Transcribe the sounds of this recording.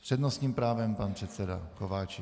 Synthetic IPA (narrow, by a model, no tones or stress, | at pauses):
pr̥ɛdnost̪ɲiːmpɾaːvɛmpanpr̥ɛt̪sɛda̰kovaːt͡ʃɪ